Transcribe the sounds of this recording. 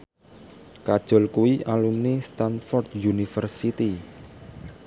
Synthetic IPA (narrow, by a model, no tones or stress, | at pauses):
kad̥ʒ̥ɔ̤lkuwiʔalumnist̪anfɔrd̪junifərsit̪i